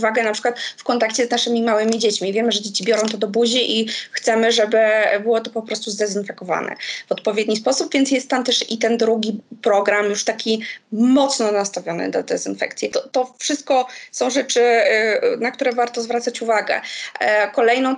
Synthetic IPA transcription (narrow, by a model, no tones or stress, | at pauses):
vaɡɛnapʂɘkwat̪fkɔnt̪akt͡ɕɛznaʂɘmʲimawɘmʲid͡ʑet͡ɕmʲivʲjɛmɘʐɛd͡ʑet͡ɕibʲjɔɾɔ̃w̃t̪̬ɔd̪ɔbuʑiʔixt̪sɛmɘʐɛbɘbɘwɔt̪ɔpɔpɾɔst̪uzd̪ɛzinfɛkɔva̰nɛ̰vɔt̪pɔvʲjed̪̚ɲispɔsupvʲjɛntsjɛst̪ːamt̪ɛʂit̪ɛnd̪ɾuɡʲipɾɔɡɾamjuʂt̪akʲimɔt̪snɔnast̪avʲjɔnɘ̰d̪a̰d̪ɛzinfɛ̰kt̪sʲjɛt̪ɔt̪ɔfʂɨst̪̚kɔsɔ̃w̃ʐɛt͡ʂɘ | nak̚t̪uɾɛvaɾt̪ɔzvɾat̪sat͡ɕuvaɡɛ̰ | kɔlɛjnɔ̃w̃